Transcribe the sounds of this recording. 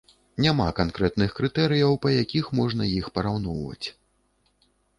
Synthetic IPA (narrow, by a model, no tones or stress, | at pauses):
nʲama̰kankɾɛt̪nɨxkɾɨt̪ɛɾɨjɐwpɐjakʲixmɔʐnɐjixpɐɾawn̪ɔwvɐ̰t͡sʲ